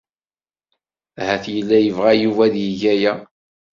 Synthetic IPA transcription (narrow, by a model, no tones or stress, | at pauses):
hæθjəlːæjəvʁæjuvæðjiʝæjæ